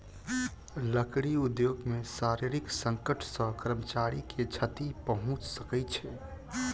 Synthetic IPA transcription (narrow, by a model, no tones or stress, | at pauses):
ləkɽiud̪joɡmesaɾiɾiksəŋkəʈʰsə̃kɾəmət͡ʃaɾikʰet͡ʃʰət̪ipəɦũt͡ʃsəkɛt͡ʃʰɛ